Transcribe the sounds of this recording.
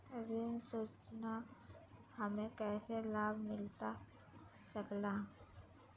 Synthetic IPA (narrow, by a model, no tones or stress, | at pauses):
ɾɪnsuːt͡ʃna | həmẽkɛːselaːbʱmɪlt̪a | səklaː